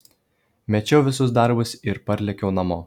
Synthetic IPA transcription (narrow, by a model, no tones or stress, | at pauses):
mʲɛt͡ʃʲɛʊʋʲɪsʊs̬d̪ɐɾbʊsɪɾpɐɾʲlʲɛkʲɛʊnɐmoː